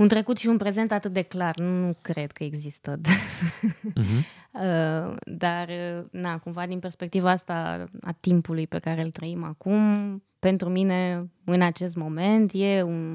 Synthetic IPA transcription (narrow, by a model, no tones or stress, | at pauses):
unt̪ɾe̞kut̪ʃiunpɾe̞ze̞nt̪at̪ɨt̪̚d̪eklarnnukɾe̞d̪kʰəe̞ɡzist̪əd̪a | əd̪arənakumvad̪inpe̞rspek̚t̪ivaast̪aa̰t̪impulujpe̞kaɾe̞ɨlt̪ɾəimakum | pe̞nt̪ɾumine̞ɨnat͡ʃe̞s̬t̪mo̞me̞nt̪je̞un